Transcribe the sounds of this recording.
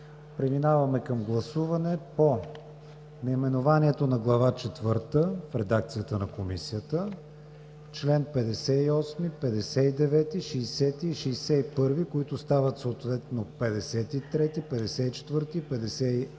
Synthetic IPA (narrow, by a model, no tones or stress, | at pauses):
pɾɛminavɐmɛkəmɡlˠɐsuvɐnɛpo | nɛimɛnovaniɛt̪onɐɡlˠɐvat͡ʃɛt̪vɤɾt̪əfɾɛd̪ak̚t̪sijət̪ənɐkomisiət̪ə | t͡ʃlɛnpɛd̪ɛsɛiɔsmipɛd̪ɛsɛid̪ɛvɛt̪iʃɛjsɛt̪iːʃɛjsɛipɤɾvikoit̪ʊst̪avət̪soːt̪vɛt̪nopɛd̪ɛsɛt̪it̪ɾɛt̪ipɛd̪ɛsɛit͡ʃɛ̥t̪vɤɾt̪ipɛd̪ɛsɛi